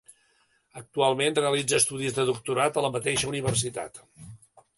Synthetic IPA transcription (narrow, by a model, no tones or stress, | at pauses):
ək̚t̪ualˠmenreəlid͡zəːst̪uðizðəðuk̚t̪uɾat̪ələmət̪eʃəuniβ̞ərsit̪a̰t̪